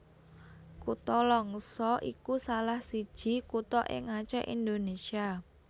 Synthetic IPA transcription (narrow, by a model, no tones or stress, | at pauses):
kut̪ɔlɔŋsɔʔikusalahsid̥ʒ̥i̤kut̪ɔʔɪ̰ŋat͡ʃɛ̰ʔind̪onesia